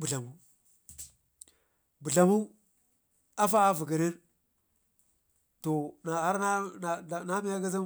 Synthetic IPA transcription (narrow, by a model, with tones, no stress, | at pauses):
bu˨ɮa˨mu˦ | bu˨ɮa˨mu˦ | a˦fa˦vi˨ɡi˨ni˦n | to˨na˨a˦ɾna˦n˨na˦mi˦ja˦ɡa˦za˦